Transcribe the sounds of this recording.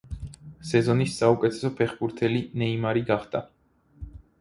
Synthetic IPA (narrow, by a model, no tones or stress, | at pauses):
sɛzɔnisːaukʼɛt̪ʰɛ̥sɔpʰɛχbuɾt̪ʰɛlinɛimaɾiɡaχd̪̥a